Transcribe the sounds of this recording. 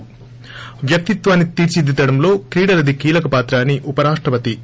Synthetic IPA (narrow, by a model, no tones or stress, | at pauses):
ʋjɐk̚t̪it̪ʋaːnːit̪iːɾt͡ʃid̪it̪ɐɽɐmlo̞ːkɾiːɽɐlɐd̪ikiːlɐkɐpaːt̪ɾaːniʔupɐɾaːʂʈɾɐpɐt̪i